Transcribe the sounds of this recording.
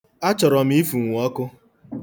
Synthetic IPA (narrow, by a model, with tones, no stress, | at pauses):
a˦t͡ʃɔ˨ɾɔ˨m˦i˦fu˨ŋʷ˨˦ɔ˦kʊ˦